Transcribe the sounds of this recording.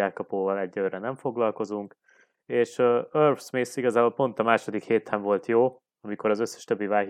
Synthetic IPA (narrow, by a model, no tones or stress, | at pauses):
aːkɒpoːvɒlɛɟːørɛnɛɱfo̞ɡlɒlko̞zuŋk | eːʃøørfsmesiɡɒzaːbo̞lpo̞n̪t̪ɒmaːʃo̞d̪ikheːt̪ʰɛɱvo̞lt̪joː | ɒmiko̞ɾɒzøsːɛ̥ʃt̪ø̞bːivaːɦ